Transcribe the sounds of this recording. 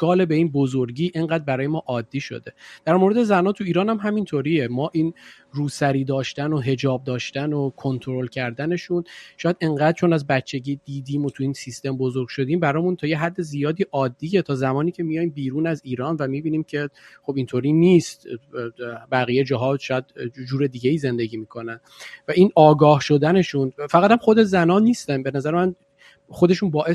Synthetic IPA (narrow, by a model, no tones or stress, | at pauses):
ɡ̥ɒːle̞be̞iːnbozoɾɟiːʔe̞ŋɢæːd̪̚bæɾɒːjemɒːʔɒːd̪ːiːʃo̰d̪e̞d̪̥æɾmoɾed̪e̞zænɒːt̪ʰuiːɾɒːnæmɦæmint̪ʰoɾiːemɒːʔiːn | ruːsæɾiːd̪ɒːʃt̪ænoɦe̞d͡ʒɒːb̚d̪ɒːʃt̪ænokʰo̞nt̪ʰoɾolcʰæɾd̪æne̞ʃunʃɒːjæd̪e̞ŋɢæːd̪̥̚t͡ʃʰo̞næzbæt̪t͡ʃʰːe̞ɟiːd̪̥iːd̪iːmot̪ʰuiːnsist̪e̞mbozoɾɡ̥ʃo̞d̪iːmbæɾɒːmunt̪ʰɒːjeɦæd̪ːe̞zijɒːd̪iːʔɒːd̪ːiːjet̪ʰɒːzæmɒːniːcʰe̞mijɒjmbiːɾuːnæziːɾɒːnvæmiːbiːniːmcʰe̞χo̞bint̪ʰoɾiːniːst̪ | bæɣiːjed͡ʒɒːɦɒːʃɒːjæd̪d͡ʒuːɾe̞d̪iːɟeiːze̞nd̪e̞ɟiːmiːkʰo̞næn | væʔinɒːɡɒːhʃo̞d̪æne̞ʃunfæʁæt̪æmχo̞d̪e̞zænɒːniːst̪ænbe̞næzæɾemæn | χo̞d̪e̞ʃuːnbɒːʔe